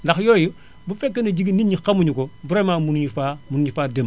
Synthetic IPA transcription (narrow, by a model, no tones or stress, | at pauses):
ndaxjoju | bufɛkːenɐɟiɡiniɲːixamuɲukobuɾemaːmunɲifaːmunuɲifaːdem